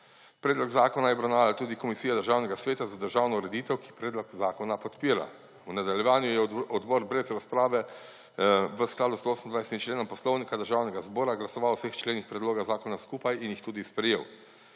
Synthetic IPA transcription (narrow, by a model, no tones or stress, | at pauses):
pɾɛːd̪lɔɡzaːkɔnajɛbɾawnaːʋalt̪uːd̪ikɔmisiːjad̪əɾʒaːwnɛɡasʋeːt̪azad̪əɾʒaːwnɔuɾɛd̪iːt̪ɛwkipɾeːd̪lɔkzaːkɔnapɔt̪piːɾa̰ | wnad̪aljɛʋaːnjujɛɔd̪bɔɾbɾɛzɾaspɾaːʋɛ | ʋəsklaːd̪usoːsənd̪ʋajsɛ̥t̪imt͡ʃleːnɔmpɔslɔwnikad̪əɾʒawnɛɡazbɔːɾaɡlasɔʋawsext͡ʃleːnixpɾɛd̪loːɡazaːkɔnaskuːpajinjixt̪uːd̪ispɾɛjeːw